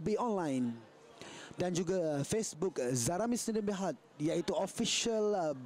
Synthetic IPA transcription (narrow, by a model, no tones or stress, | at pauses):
biɔ̃nlãjn | dãnd͡ʒuɡafesbukzaɾamisĩdə̃nbiɦat̪̚jait̪uɔfiʃəl